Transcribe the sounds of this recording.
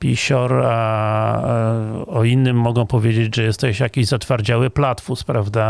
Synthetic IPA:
pʲḭɕɔɾa | ɔinːɘmːɔɡɔ̃w̃pɔvʲjed͡ʑed͡ʑʐɛjɛst̪ːɔɕjakʲiʑzat̪faɾd͡ʑawɘplat̪fuspɾavd̪a

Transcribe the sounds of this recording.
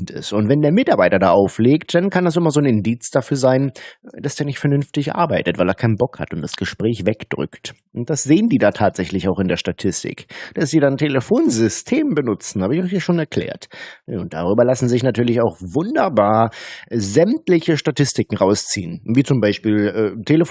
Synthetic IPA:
ntɪ̰stʊntv̥ɛndeːɐmɪtaɐbaɪtɐda̰ːʔaʊfleːktd̥ankʰandas̬ɪmɐzoːnɪndiːt͡sd̥afyːɐzaɪnd̥asd̥eːɐnɪçtfɛɐnʏnftɪçʔa̰ɐbaɪtətvaɪleɐkʰaɪnənbɔkha̰tʊntd̥ḁsɡ̥əʃpʁ̥ɛːçvɛkd̥ʁʏ̰kt | ʊnt̚d̥asz̥eːəndiːdaːtʰaːtz̥ɛçlɪçaʊxɪndeːɐʃtatʰɪstɪ̰kd̥asd̥iːdantʰeləfoːnzʏstʰeːmbənʊt͡sn̩haːbəɪçaʊhiːɐʃoːnɛɐkʰl̥ɛ̰ːɐtʊnt̚d̥a̰ʁ̞yːbɐlasn̩zɪçnatʰyːɐlɪçaʊxvʊndɐbaːɐzɛmtlɪçəʃtatɪstɪkŋ̩ʁaʊst͡sḭːənviːt͡sʊmbaɪʃpiːlʔɛːtʰeləf

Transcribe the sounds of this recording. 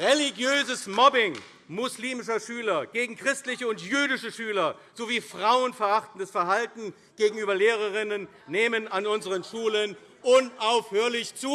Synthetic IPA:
ʁeliɡjøːzəsmɔbɪŋ | mʊsliːmɪʃɐʃyːlɐɡ̥eːɡŋ̩kʁ̥ɪstlɪçəʊntjyːdɪʃəʃyːlɐz̥oviːfʁ̥aʊənfɛɐʔaχtn̩dasfɛɐhaltn̩ | ɡ̥eːɡŋ̩yːbɐleːʁɐʁɪnənːeːmənanʊnzəʁənʃuːlən | ʔʊnaʊfhøːɐlɪçt͡suː

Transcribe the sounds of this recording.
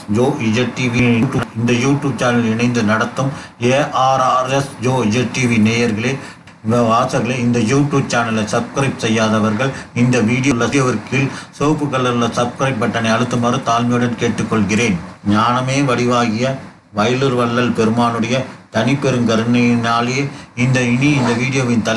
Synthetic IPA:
d͡ʒoːid͡ʒeʈːiːʋiːʈːjuːnɪnd̪ɐjuːʈːjuːb̚t͡ʃaːnɐlɪnɐɪnd̪ɯnɐɽɐt̪ːɯmeːʔaːɾaːɾɛsd͡ʒoːd͡ʒeʈiːʋineːjɐɾɣɐɭeː | ɐʋaːsɐɾɣɐɭeːɪnd̪ɐjuːʈjuːb̚t͡ʃaːnɐlɐɪsɐb̚kɾɐɪp̚sɛjːaːðɐʋɐɾɣɐɭɪnd̪ɐʋiːɽɪjoɭːɐjɐʋɐɾkɪlsoːpɯkɐɭːɐɾlɐsɐb̚kɾɐɪpːɐʈːɐnɐɪɐɽɯt̪ːɯmɐrɯt̪aːlmɪjɯɽɐnkeːʈːɯkːɔɭɣɪreːnɲaːnɐmeːʋɐɽɪʋaːɣɪjɐ | ʋɐjɐlɯɾʋɐɭːɐlpɛɾɯmaːnɯɽɐjɐt̪ɐnɪpːɛɾɯmɡɐɾɯɳɐjɪnaːleːɪnd̪ɐɪɳiɪnd̪ɐʋiːɽɪjoːʋɪnt̪ɐ

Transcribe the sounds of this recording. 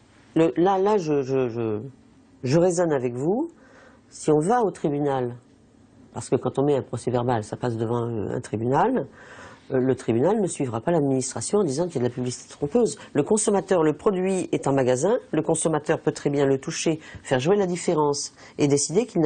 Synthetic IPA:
ləlalaʒəʒəʒə | ʒəʁezɔnavɛkvu | siɔ̃vaot̪χibynal | paʁsə̥kəkɑ̃t̪ɔ̃mɛɛ̃pχɔsɛvɛʁbalsapasd̪əvɑ̃ø̰ɛ̰̃t̪χibynalː | ət̪χibynalnəsɥivʁapalad̪minist̪χasjɔ̃ɑ̃d̪izɑ̃kiljad̪əlapyblisi̥t̪e̥t̪χɔ̃pøzləkɔ̃sɔmat̪œʁləpχɔd̪ɥiɛt̪ɛ̃maɡazɛ̃ləkɔ̃sɔmat̪œʁpøt̪χɛbjɛ̃lət̪uʃefɛʁʒwelad̪ifeʁɑ̃s | ed̪esid̪ekiln

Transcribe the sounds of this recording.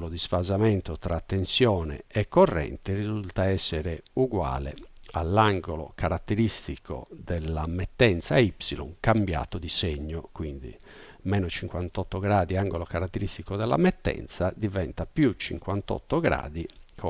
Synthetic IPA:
lod̪isfazamɛnt̪ot̪ɾʔat̪ːensjɔːnɛ̰ɛkːɔrːɛ̰nt̪irizult̪aɛsːɛɾeuɡwa̰ːlḛalːaŋɡolɔkʰaɾat̪ːeɾist̪ikʰo̰d̪ɛlːamɛt̪ːɛnt̪saipsilɔ̰ŋkambja̰ːt̪od̪iseɲːokwind̪ḭ | mɛːnot͡ʃiŋkwant̪ɔt̪ːoɡɾaːd̪iaŋɡolokaɾat̪ːeɾist̪ikod̪ɛlːa̰mɛt̪ːɛ̰nt̪sad̪ivɛnt̪apjut͡ʃiŋkwant̪ɔ̰t̪ːoɡɾa̰ːd̪ikʰ

